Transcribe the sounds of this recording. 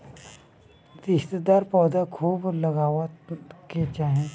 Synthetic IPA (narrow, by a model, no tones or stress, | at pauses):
ɾɪst̪d̪aːɾpɔːd̪akʰuːbləɡaːʋət̪ket͡ʃaːɦẽ